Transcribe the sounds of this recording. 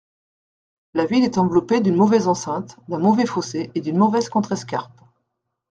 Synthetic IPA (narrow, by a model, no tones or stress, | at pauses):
lavilɛt̪ɑ̃vlɔped̪ynmɔvɛzɑ̃sɛ̃t̪d̪ɛ̃mɔvɛfoseʔed̪ynmɔvɛzkɔ̃t̪χɛskʲa̰ʁp